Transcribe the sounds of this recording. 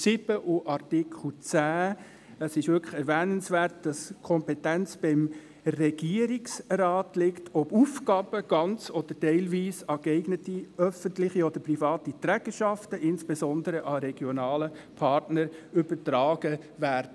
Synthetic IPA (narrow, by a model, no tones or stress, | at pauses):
sɪbəʔuʔɑrtɪkʰl̩t͡sæː | əsɪʃʋʏɾkʰə̥χɛɾvæːnənsʋæːɾt̚d̥ɑskʰɔmpɛtænt͡sb̥ɪm | rɛɡ̥iəɾiksrɑːtlɪktʰɔbuːfkɑːbəɡ̥ɑnt͡sɔd̥̪əɾtɛɪlʋiːsɑkɛɪɡnətiœfəntlɪχiɔd̥̪əɾprifɑːtit̪ɾæɡ̥əʃɑftəʔɪnsb̥ezɔnd̪əɾəʔɑɾɛɡ̥jɔnɑːlə | pʰɑrtnəɾʏbətɾɑːɡ̥ə | væːɾdə